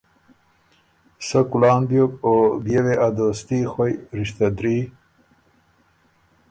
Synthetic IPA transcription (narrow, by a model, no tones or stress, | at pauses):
səkulɑːnbjokobjeweʔad̪ost̪ixwojɾiɕt̪ad̪ɾi